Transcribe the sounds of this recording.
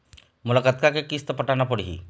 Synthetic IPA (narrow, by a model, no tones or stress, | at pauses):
mulakat̪̚kakekist̪ɔpəʈanapɔɽiɦḭ